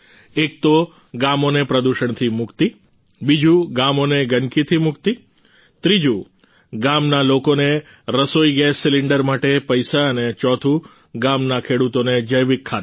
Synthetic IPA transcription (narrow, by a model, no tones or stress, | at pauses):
ek̚t̪o | ɡamonepɾəd̪uʃəɳt̪ʰimukt̪i | bid͡ʒuɡamoneɡənkit̪ʰimukt̪i | t̪ɾid͡ʒu | ɡamnalokone | ɾəsoiɡɛsːiliɳɖəɾmaʈepəjsaənet͡ʃɔt̪ʰu | ɡamnakʰeɽut̪oned͡ʒəjʋikʰːa